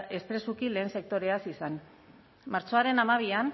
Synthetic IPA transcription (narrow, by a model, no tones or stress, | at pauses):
ʔe̞spɾe̞sukile̞ːnse̞k̚t̪o̞ɾe̞asisan | maɾt͡so̞aɾe̞namaβ̞ian